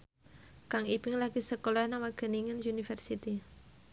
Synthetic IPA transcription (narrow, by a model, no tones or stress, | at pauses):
kaŋibɪŋlaɡ̥isəkolɔnamaɡ̥ə̤niŋənjunifərsit̪i